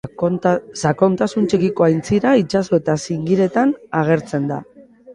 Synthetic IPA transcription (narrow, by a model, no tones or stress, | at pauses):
sako̞nt̪asunt͡ʃekiko̞ajnt͡siɾait͡ʃaso̞e̞t̪asiŋɡiɾe̞t̪anaɣ̞e̞ɾt͡se̞nd̪a̰